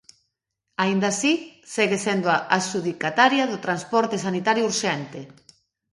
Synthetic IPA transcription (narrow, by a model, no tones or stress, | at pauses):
aind̪asiseɣesend̪oaʔasuðikat̪aɾjaðʊt̪ɾanspɔɾt̪esanit̪aɾjouɾʃɛnt̪e